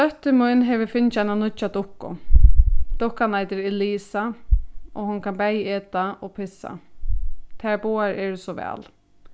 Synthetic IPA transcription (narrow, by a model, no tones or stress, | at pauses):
œht̪ɪmujnɦɛʋɪfɪnt͡ʃananʊt͡ʃːat̪ʊhkːʊ̰ | d̪̥ʊhkːanajt̪ɪɾɪliːsa | ɔ̰ɦʊnkʰanbɛjɛːt̪aɔpʰɪsːa̰ | t̪ʰɛɹbuːaɹɛɹsɔʋɛ̰ːl